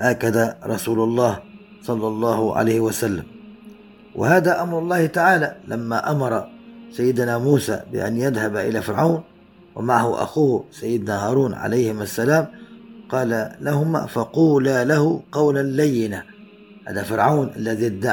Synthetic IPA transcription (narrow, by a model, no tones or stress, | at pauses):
ʔakad̪aɾˤɑsuːlʊlˤːɑːh | sˤɑlːɑlˤːɑːhʊʕa̰lajhɪwasalːa̰m | wʔɪ̰haːd̪aʔamɾˤʊlˤːɑːhɪt̪aʕaːlalamːaʔamɑɾˤɑsajːɪd̪namuːsa̰bɪ̰ʔa̰njad̪habʔɪlafɪɾʕawn | wɪ̰maʕahʊʔa̰xuːhsajːɪd̪nahɑːɾˤuːnʕa̰lajhɪmasːalaːmqɑːlalahʊma̰fɑquːlalahʊqɑwlalːajːɪna | ha̰ːd̪afɪɾʕawnʔa̰lːaðid̪ːa